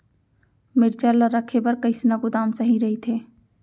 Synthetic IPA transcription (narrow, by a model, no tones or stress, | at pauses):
mɪɾt͡ʃəɾlaɾəkʰepɐɾkɐɪsnaɡʊd̪aːmsɐɦĩɾɐɦit̪ʰeː